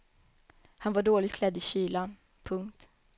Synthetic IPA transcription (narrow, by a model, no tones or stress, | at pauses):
hanvaɖoːlɪt̪̚kʰlɛd̪ːɪɕiːla | pʰɵŋkt̪